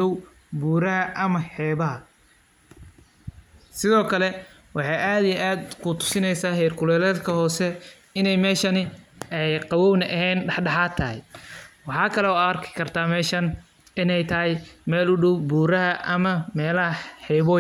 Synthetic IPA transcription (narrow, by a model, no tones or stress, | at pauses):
ɔw | buːɾɐɦɐʔɐmɐħɛːβɐɦɐ | sɪðɔːkʰɐlɛ | wɑħɑjʔaːd̪ijɛʔaːd̪kʰʊt̪ʰʊ̥sɪnɛjsaːɦɛjrkʰʊlɛːlɛːd̪kʰɐhɔːsɛ | ɪnɛjmɛːʃɐnɪɛjqɑwɔːwnɐʔɐhɛːnɖɑħɖɑħaːt̪ʰɐɦɛ̰jwɑħɑːkʰɐlɛɔːɐrkʰɪ̥kʰɐrt̪ʰaːmɛːʃɐn | ɪnɛjt̪ʰɐɦɛjmɛːlʊɖɔwbuːɾɐɦɐʔɐmɐmɛːlɐɦɐħɛjβɔː